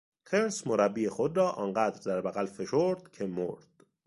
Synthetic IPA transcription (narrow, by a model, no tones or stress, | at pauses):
k̪ʰeɾsmoɾæbːiːexod̪ɾɒːʔɒːnɢæːd̪ɾd̪æɾbæɣælfe̞ʃoɾd̪̥cʰe̞moɾd̪̥